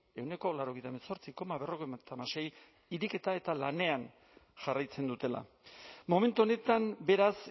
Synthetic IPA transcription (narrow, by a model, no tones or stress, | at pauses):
e̞wne̞ko̞laɾo̞ɣejt̪aminso̞ɾt͡siko̞maβe̞ro̞ɣejmat̪amase̞j | iɾike̞t̪ae̞t̪alane̞an | ʝarajt͡se̞nd̪ut̪e̞la̰ | mo̞me̞nt̪uo̞ne̞t̪ambe̞ɾas